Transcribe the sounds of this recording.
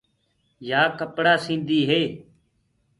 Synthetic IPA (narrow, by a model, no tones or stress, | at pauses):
jaːkəpɽaːsĩːnd̪iːɦeː